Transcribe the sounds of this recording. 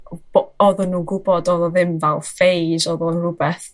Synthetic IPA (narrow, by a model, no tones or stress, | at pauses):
bɔðɔnːuːɡʊbɔdɔðɔðɪmvalˠfejzɔðɔnrʊbɛθ